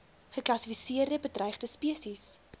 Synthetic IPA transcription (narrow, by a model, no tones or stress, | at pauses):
χəklɐsifisiərdəbədrɛjχdəspiəsis